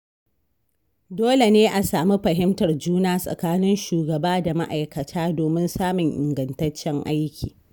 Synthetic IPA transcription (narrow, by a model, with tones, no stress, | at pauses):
doː˦le˨neː˦ʔa˨saː˨mi˦ɸɐ˨ɦɪ˦mtɐ˨rd͡ʒuː˦naː˦sʼɐ̰˨kaː˦nɪ˦nʃuː˨ɡɐ˨baː˦da˨ma˦ʔa˨jkɐ˨tʰaː˦doː˨mɪ˦nsaː˦mʊ˨ŋʔɪ̰˨ŋɡɐ˨ntɐ˦t͡ʃːɛ˦ŋʔa˦jkʲḭː˨